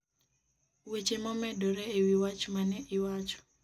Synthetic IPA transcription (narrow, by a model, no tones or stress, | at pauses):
wet͡ʃemɔmɛdɔɾɛewiwat͡ʃmanɛʔɪwat͡ʃɔ̥